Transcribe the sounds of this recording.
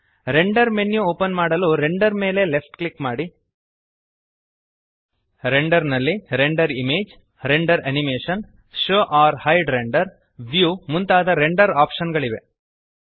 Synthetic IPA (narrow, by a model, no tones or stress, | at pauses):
ɾe̞ɳɖɐɾmenːjuoːpɐnmaːɽɐluɾeɳɖɐɾme̞ːle̞lefʈkɭikmaːɽi | ɾeɳɖɐɾnɐlːiɾeɳɖɐɾimeːd͡ʒ | ɾeɳɖɐɾɐnimeːʂɐn | ʃoːʔaːɾhɐjɖɾeɳɖɐɾ | ʋjuːmunt̪aːd̪ɐɾeɳɖɐɾaːpʂɐnɡɐɭiʋe̞